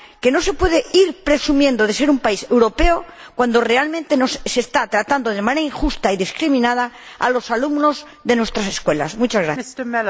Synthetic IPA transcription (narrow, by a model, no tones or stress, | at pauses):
ke̞no̞se̞pwe̞ð̞eʔiɾpɾe̞sumjend̪oð̞e̞se̞ɾumpaisewɾo̞pe̞okwand̪o̞re̞almẽnt̪enosse̞st̪at̪ɾat̪and̪oð̞emãneɾaiŋxust̪aiðiskɾimĩnað̞a | a̰lo̞salumno̞z | ðe̞nwest̪ɾase̞skwe̞la̰smut͡ʃazɣɾa